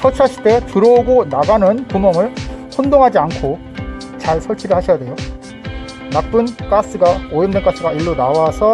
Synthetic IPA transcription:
sʰʌt͡ɕʰaɕʰi̥t͈e̞tɯɾoɡonaɡanɯnpumjʌŋɯɭɸondoŋɦad͡ʑiankʰo | t͡ɕaɭsʰʌɭt͡ɕʰiɾɯɭhaɕʰijade̞jo | nak̚p͈ɯnk͈as͈ɯɡaojʌndenk͈as͈ɯɡaiɭːonawasʰʌ

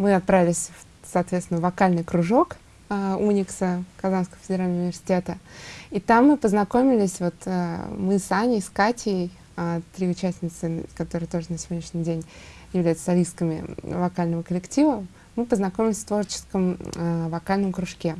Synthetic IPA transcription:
mɨɐt̪̚pɾavɪlʲɪsʲ | sɐːt̪vʲet̪st̪ʲɪnəvɐkalʲnɨjkɾʊʐo̞kː | unʲɪksəkɐzanskəvəfʲɪdʲɪɾalʲnəʊɪvʲɪrsʲɪ̥tʲet̪əit̪amːɨpəznɐko̞mʲɪlʲɪsʲvo̞t̪ːmɨsanʲɪskatʲɪɪj | t̪ɾʲiʊt͡ɕæsʲnʲɪt̪sɨkɐt̪o̞ɾɨjət̪o̞ʐɨnəsʲɪvʲodnʲɪʂnʲɪdʲenʲjɪvlʲæjʊt̪sə̥sɐlʲiskəmʲɪ̰vɐkalʲnəvəkəlʲɪktʲivə | mɨpəznɐkomʲɪlʲɪsʲft̪vo̞rt͡ɕɪ̥skəmvɐkalʲnəmkɾʊʂkʲe

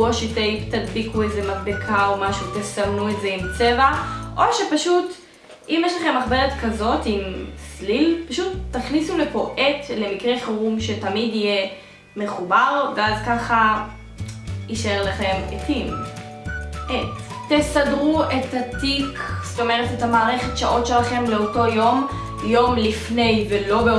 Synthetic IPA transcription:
oʃet̪ejpt̪adbikuejzemadbekʰaomaʃutesamnuetze̞imt͡se̞vaʔo̞ʃepaʃut | imjeʃlaχe̞mːaχbe̞ʁetkazo̞timslilpaʃutːaχnisulepoʔetle̞mikʁeχaʁumʃe̞tamidije | meχubaʁveazkaχa | iʃaeʁlaχe̞mḛtim | ʔetesadʁuethat̪iksto̞me̞ʁetetamaːʁeχetʃaʔo̞tʃe̞laχe̞mleoto̞jo̞m | jo̞mlifne̞jvelo̞beo

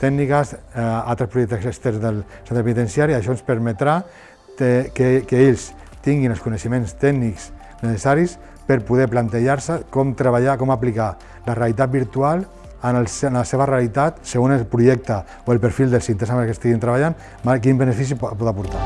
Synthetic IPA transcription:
t̪ɛɡnikasalt̪ɾespɾuʒɛk̚t̪sksekst̪ɛɾzðel | sent̪ɾpenit̪ensiaɾiaʃ̬ɔenspəɾmet̪ɾa | t̪ekekeeʎs | t̪iŋɡinelskuneʃəmẽnst̪ɛɡniks | nesesaɾis | pəɾpuðɛplant̪eʒaɾsəkɔmt̪ɾəβaʎakɔmaplika | larealit̪at̪̚biɾt̪ualˠ | analsnaseβ̞arealit̪at̪seɣonelpɾuʒɛk̚t̪a | oelpəɾfilˠd̪elsint̪esamekest̪iɣint̪ɾəβaʎan | makimbənəfis̬ipɔt̪apuɾt̪a

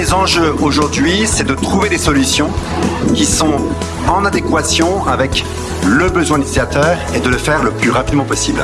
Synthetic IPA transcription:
lezɑ̃ʒøoʒuʁd̪ɥisɛd̪ət̪χuved̪esɔlysjɔ̃kʲisɔ̃ | ɑ̃nad̪ekwasjɔ̃avɛk | ləbəzwɛ̃d̪isiat̪œːʁed̪ələfɛʁləplyʁapid̪mɑ̃pɔsibl

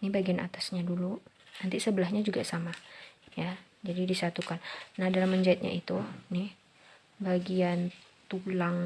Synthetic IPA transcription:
nibaɡiana̰t̪asɲadulunant̪isəbəlahɲad͡ʒuɡasamaja | d͡ʒadidisat̪ukanːahdalamːəɲd͡ʒaɪt̪̚ɲa̰ʔit̪unɪh | baɡian | t̪ulaŋ

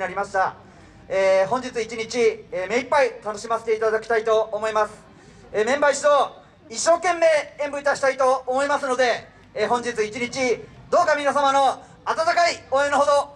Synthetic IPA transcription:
naɾʲimaɕi̥t̪a | eːɦõ̞ɲ̟d͡ʑit͡sɨit͡ɕiɲ̟it͡ɕieːme̞ipːait̪ano̞ɕimase̥t̪eit̪ad̪akʲi̥t̪ait̪o̞ːmo̞imasɨ̥ | eːmẽ̞mbaiɕit̪o | iɕːo̞ːkẽ̞mːe̞ẽmbɯ̟it̪aɕi̥t̪ait̪o̞ːmo̞imasɨno̞d̪e̞ː | ɦõ̞ɲ̟d͡ʑit͡sɨit͡ɕiɲ̟it͡ɕid̪o̞ːkamʲinasamano̞ | at̪at̪akaioːenoɦod̪o̞

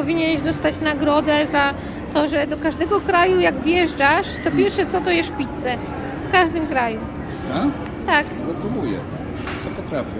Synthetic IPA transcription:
ɔvʲiɲɛnʃd̪ɔst̪at͡ɕnaɡɾɔd̪ɛza | t̪ɔʐɛd̪ɔkaʐd̪ɛɡɔkɾajujaɡvjɛʐd͡ʒaʂt̪ɔpʲjɛɾfʂɛt̪sɔt̪ɔjɛʂpʲit̪sɛ | fkaʐd̪ɨmkɾaju | a | t̪akzɛpɾubujɛ̰ | sɔpɔt̪ɾafʲɛ

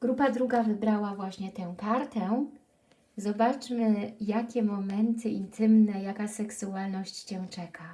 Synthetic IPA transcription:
ɡ̥ɾupad̪ɾuɡavɘbɾawavwaɕɲɛt̪ɛw̃kaɾt̪ɛ | zɔbat͡ʂmɘjakʲɛmɔmɛnt̪ʰɘint̪ʰɘmnɛjakasɛksualnɔɕt͡ɕt͡ɕɛ̃t͡ʂɛkʰa

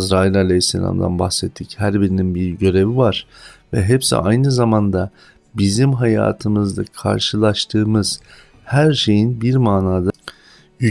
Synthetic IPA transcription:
zɾaːilʲalʲeɦisːḛlʲa̰md̪a̰nba̰xsɛt̪ʰːichæɾbiɾininbiɾɟø̞ɾe̞vivaɾ̥vɛ̰ɦepsḭʔa̰jnɯzamand̪a | bizimɦaja̰ːt̪ʰɯmɯzd̪akʰa̰ɾʃɯlˠaʃt̪ʰɯːmɯz̥ | hæɾʃe̞jinbiɾmaːnaːd̪a | jy

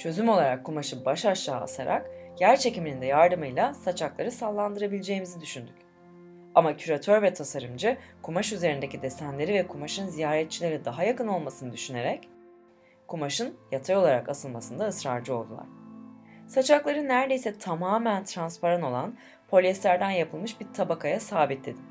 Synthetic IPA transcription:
t͡ʃʰø̞zymo̞lˠaɾakʰːumaʃɯbaʃaʃlˠaːa̰saɾa̰kjæɾt͡ʃʰe̞ciminind̪ɛjaɾd̪ɯmɯjlˠasat͡ʃʰaklˠaɾɯsalˠːand̪ɯɾabilʲd͡ʒe̞jimizid̪yʃynd̪ycʲ | amacʰyɾat̪ʰøɾvɛt̪ʰasaɾɯmd͡ʒɯkʰumaʃyze̞ɾind̪e̞cid̪est̪ænlʲe̞ɾivɛkʰumaʃɯnzijaːɾɛt̪̚t͡ʃʰilʲe̞ɾid̪aɦajakɯno̞lˠmasɯnɯd̪yʃyne̞ɾɛc | kʰumaʃɯnjat̪ʰajo̞lˠaɾakasɯlˠmasɯnd̪aɯsɾa̰ɾd͡ʒɯo̞lˠd̪ulˠa̰ɾ̥ | sat͡ʃʰaklˠaɾɯnːæɾd̪e̞jsɛt̪ʰamaːmænt̪ʰɾanspaɾano̞lˠan | pʰo̞lʲɛslʲæɾd̪ænjapʰɯlˠmɯʃbiɾt̪ʰabakʰajasaːbit̪̚d̪ʲed̪im

